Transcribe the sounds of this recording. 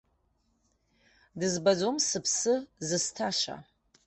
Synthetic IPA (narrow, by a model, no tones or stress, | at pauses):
dɨzbad͡zomsɨpʰsɨzɨstʰaʂa̰